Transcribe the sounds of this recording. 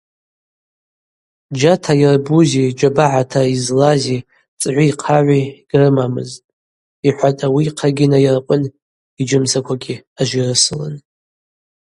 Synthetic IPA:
d͡ʒatʰairbuzid͡ʒʷabaʕatʰaizlazi | t͡sʼʕʷiiqʰaʕʷiɡ̥rɨmamɨ̰ztʼ | iħʷatʼawiqʰaɡʲinairaqʷʼʊn | id͡ʒɨmsakʷaɡʲiaʒʷirɨsɨlɨ̰n

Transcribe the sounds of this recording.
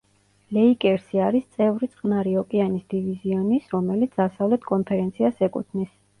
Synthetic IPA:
lɛikʼɛɾsiaɾist̪sʼɛvɾit̪sʼχʼnaɾiɔkʼianisd̪iviziɔnisɾɔmɛlit̪sʰd̪̥asavlɛt̪ʰkʼɔnpʰɛɾɛnt̪sʰiasɛkʼṵt̪ʰnis

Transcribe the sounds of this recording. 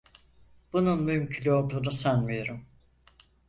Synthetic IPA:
b̥ununmymcʰylʲyo̞lˠd̪uːnusænmijo̞ɾum

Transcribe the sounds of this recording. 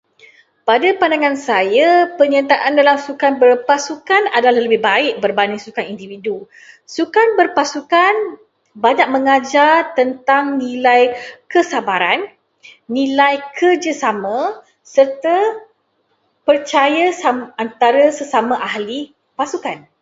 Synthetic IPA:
padapandaŋãnsajapəɲat̪aʔandalamsukanbərpasukana̰dalahləbɪhbaɪʔ̚bərbanɪsukanindividu | sukanbərpasukan | baɲak̚məŋad͡ʒart̪ənt̪aŋnĩlajkəsabaɾanː | ĩlajkʰərd͡ʒəsamə̃ | sərt̪ə | pərt͡ʃajasamant̪aɾəsəsamãʔahli | pasukan

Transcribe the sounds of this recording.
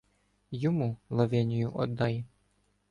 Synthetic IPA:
jɔmulˠɐʋɛnʲijʊʔɔ̰d̪ːɑjɛ

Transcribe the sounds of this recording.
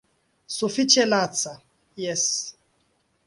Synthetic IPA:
sufit͡ʃɛlat͡sa | jɛs

